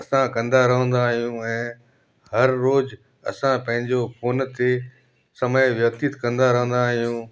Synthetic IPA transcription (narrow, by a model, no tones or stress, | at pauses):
ɐsãkɐ̃nd̪aɾɐɦə̃nd̪aːɦijũɛ̃ː | hɐɾːoːz | ɐ̰sãpɐ̃ɦɪ̃ɲd͡ʑofoːnt̪e | sɐməjʋjɐkt̪it̪kɐ̃nd̪aɾɐɦə̃nd̪aːɦijũ